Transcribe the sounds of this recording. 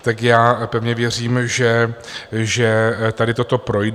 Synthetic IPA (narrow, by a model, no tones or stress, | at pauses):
t̪akjaːpɛvɲɛvjɛr̝iːmʒɛ | ʒɛt̪adɪt̪o̞t̪o̞pɾo̞jd